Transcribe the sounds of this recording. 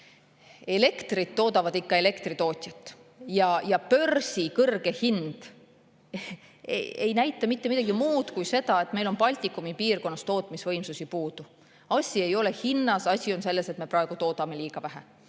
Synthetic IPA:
e̞le̞kt̪rit̪ːo̞ːd̪ɑvɑd̪ikːɑe̞le̞kt̪rit̪o̞ːt̪ʲˑjɑt̪ːˑ | jɑjɑpø̞rsikɤrɡ̥e̞hind̪̥ | eejnæjt̪ːˑɑmit̪ːeid̪̥ɑɡimuːd̪̥kujse̞d̪̥ɑe̞t̪ːˑme̞jlo̞npɑlʲt̪ʲˑikˑːumipiːrko̞nːɑst̪o̞ːt̪ːˑmisvɤjmsusipuːd̪̥u | ɑsʲie̞jo̞le̞hinːɑsɑsʲio̞nse̞lːe̞se̞t̪me̞prɑeɡ̥ut̪o̞ːt̪ɑme̞lʲiːɡ̥ɑvæɦe

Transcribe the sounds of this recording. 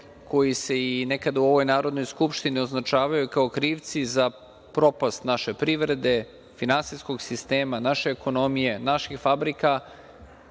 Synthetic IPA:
ko̞jise̞ine̞kad̪auo̞ʋo̞jnaːɾo̞d̪no̞jskupʃt̪inio̞znat͡ʃaːʋajukaokɾiːʋt̪siza | pɾo̞past̪naʃe̞pɾiʋɾe̞d̪e̞ | finansijsko̞ɡsist̪e̞ːmanaʃe̞ːko̞no̞mije̞naʃixfabɾika

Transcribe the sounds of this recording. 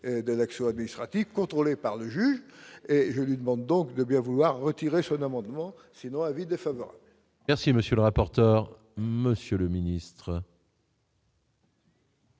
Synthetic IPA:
ed̪əlaksjɔ̃ad̪minist̪χat̪ivkɔ̃t̪χolepaʁləʒyʒeʒəlɥid̪əmɑ̃d̪ːɔ̃kd̪əbjɛ̃vulwaʁːət̪iʁesɔ̃namɑ̃d̪mɑ̃ | sinɔ̃ãvid̪efavɔʁa̰bl | mɛʁsiməsjələʁapɔʁt̪œʁ | məsjøləminist̪χə

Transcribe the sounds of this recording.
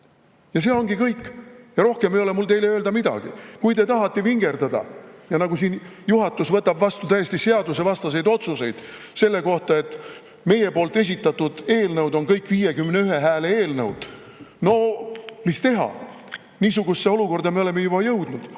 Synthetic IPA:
jɑs̬e̞ːo̞ŋɡikɤjkːˑjɑɾo̞hkemejolemult̪e̞jleøːld̪ɑmid̪̥ɑ̰ɡ̥ḭkujt̪e̞t̪ɑɦɑt̪ːˑeviŋɡe̞rd̪̥ɑd̪ɑ̰jɑnɑɡusiːnjuɦɑt̪ːˑusvɤt̪ːɑbvɑst̪ut̪æje̞sʲt̪ise̞ɑd̪use̞vɑst̪ɑs̬ejd̪o̞t̪suse̞jd̪̥ | se̞lːe̞ko̞ht̪ɑe̞t̪ː | me̞je̞po̞ːlt̪ːˑe̞s̬ʲit̪ːˑɑt̪ːud̪̥e̞ːlnɤwd̪o̞nkɤjkːˑviːjekymneyɦeɦæːlee̞ːlnɤwd̪̥ | no̞mist̪e̞ɦɑ̰ | niːsuɡ̥usːeoluko̞rd̪ɑme̞o̞le̞mejub̥ɑjɤwd̪̥nud̪̥

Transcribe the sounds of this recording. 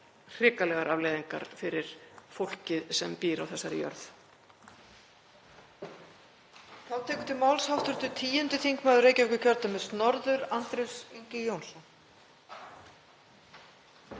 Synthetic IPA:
r̥ɪːkalɛɣaɾavlejðiŋka̰ɾfɪɾɪɾ̥fowl̥cɪðsɛmpiːɾawθɛsːaɾɪjœ̰ɾθ | θawt̪ʰɛːkʏt̪ʰɪlmawlshawht̪ʏɾ̥t̪ʏt̪ʰiːjʏnt̪ʏθiŋkmaðʏɾreːjcavɛkʏcʰœɾt̪amɛðst̪nɔɾðʏɾant̪ɾejwsiɲcɪjownsɔn

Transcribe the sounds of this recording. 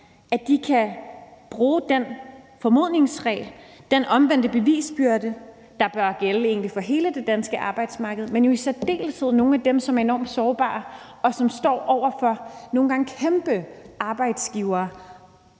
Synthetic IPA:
æd̥ikʰæb̥ʁuːd̥enfɒ̽mo̝ð̰ˠne̝ŋsʁɛ̰ːld̥enʔɒ̽mʋen̰d̥əb̥e̝ʋḭːsb̥yɐdə | d̥ɑ̈b̥ɶɐɡ̥eləe̝̰ːn̩lifɒ̽ɦe̝ːləd̥e̝d̥ænsɡ̥əʔɑ̈ːb̥ɑ̈ɪ̰d̥smɑ̈ːɡ̥əð̞̩ˠmenjo̝isæd̥e̝̰ːlsʰe̝ð̞̰ˠno̝ːn̩æd̥emsɒ̽mæɐe̝nɒ̰ːmd̥sɒːb̥ɑ̰̈ː | ɒ̽sɒ̽msd̥ɒ̰ːʔɒʊ̰ɐfɒ̽no̝ːn̩ɡ̥ɑ̈ŋ̩kʰemb̥əʔɑ̈ːb̥ɑ̈ɪd̥sɡ̥iʊɐː

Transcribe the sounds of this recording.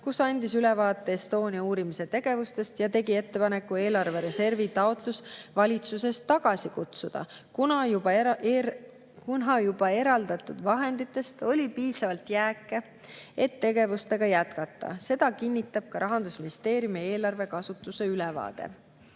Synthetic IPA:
kusɑnʲd̪̥isylɛvɑːt̪ˑːe̞est̪o̞ːnʲiɑuːɾimise̞t̪e̞ɡ̥e̞vust̪e̞st̪jɑt̪e̞ɡie̞t̪ːepɑne̞kːue̞ːlɑrve̞ɾe̞se̞rvit̪ɑot̪lusvɑlʲit̪suse̞st̪ːɑɡ̥ɑsikut̪sud̪̥ɑ̰kunɑjubɑ | kunɦɑjub̥ɑe̞ɾɑld̪̥ɑt̪ːˑud̪vɑɦe̞nd̪it̪ːˑe̞st̪o̞lʲipiːsɑvɑlt̪jæːkːˑe | et̪ːe̞ɡe̞vust̪e̞ɡ̥ɑjæt̪kɑt̪ːɑ̰se̞d̪̥ɑkinʲːit̪ːˑɑb̥̚kɑɾɑɦɑnd̪̥usminist̪e̞ːɾjumie̞ːlɑrve̞kɑsut̪ːˑuse̞ylɛvɑ̰ːd̪̥ḛ

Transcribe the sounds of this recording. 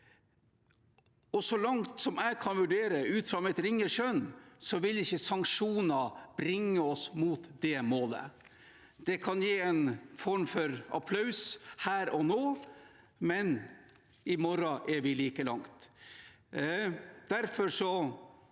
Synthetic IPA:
ɔsɔlɑŋt̪sɔmæɪkʰɑnʋʉɖeːɾəʉːt̪fɾɑmɛt̪ɾɪŋːəʂœnsɔʋɪlɪçːəsɑŋkʂuːnɑbɾɪŋːəɔsmuːt̪d̪ɛmoːlə̰ | d̪̥ɛkʰɑnjeːɛnfɔɾmfɔɾʔɑ̰pʰlɑʉshæːɾɔnoː | mɛn | ɪmɔɾɑʔɛɾʋɪliːkəlɑŋt̪ | d̪̥æɾfɔɾʂɔ

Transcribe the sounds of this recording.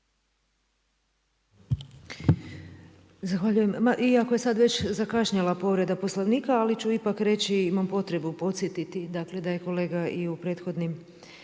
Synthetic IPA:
zaxʋaʎujemaʔiakoje̞sad̪ʋe̞t͡ɕzakaʃɲalˠapo̞ʋɾe̞d̪apo̞slˠoʋniːkaalit͡ʃuipakɾe̞t͡ɕiimampo̞t̪ɾe̞bupo̞t̪sjet̪it̪id̪akle̞d̪aje̞ko̞le̞ːɡaiupɾe̞ːt̪xo̞d̪nim

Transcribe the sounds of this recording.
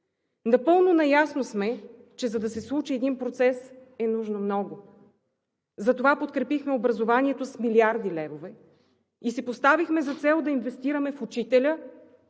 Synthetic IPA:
nɐpɤlˠnonɐjasnosmɛ | t͡ʃɛzɐd̪ɐsɛslˠut͡ʃiɛd̪inpɾot̪sɛsɛnuʒnomnɔɡʊ | zɐt̪ovapot̪kɾɛpixmɛobɾɐzovaniɛt̪osmiliaɾd̪ilɛvovɛ | isipost̪avixmɛzɐt̪sɛlˠd̪ɐinvɛst̪iɾəmɛfut͡ʃit̪ɛlʲə

